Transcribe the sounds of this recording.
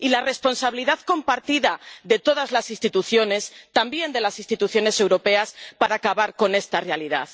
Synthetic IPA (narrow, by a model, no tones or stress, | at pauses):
ilare̞spo̞nsaβiliðaðko̞mpaɾt̪iðaðe̞t̪o̞ð̞azlasist̪it̪uθjo̞ne̞st̪ambje̞nd̪e̞lasist̪it̪uθjo̞ne̞se̞wɾo̞pe̞aspaɾaːkaβaɾko̞ne̞st̪are̞aliða̰ð